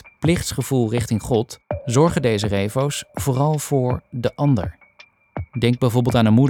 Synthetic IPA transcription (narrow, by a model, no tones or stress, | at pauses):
plɪχtsχəv̥ulˠrɪχtɪŋχɔtzɔɹχədejzərejvowsv̥ʊːrɑlˠv̥ʊːɹdəʔɑndə̰ɹ | dɛŋɡ̚bɛjvɔːɹbɪlˠtaːnənmud